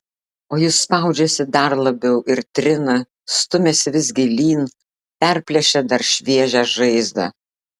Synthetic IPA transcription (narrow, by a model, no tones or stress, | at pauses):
oːjɪsspɑˑʊd͡ʒʲɛsʲɪd̪ɐɾlˠɐbʲɛʊʔɪɾt̪ʲɾʲɪnɐ | st̪ʊmʲɛsʲɪʋʲɪzʲɡʲɪlʲiːn | pʲæɾʲpʲlʲɛʃʲɛd̪ɐɾʃʲʋʲiɛʒʲæʒɐɪzd̪ɐ̰